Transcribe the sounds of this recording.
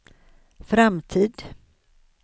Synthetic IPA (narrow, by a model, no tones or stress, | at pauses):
fɾamt̪ʰiːd̪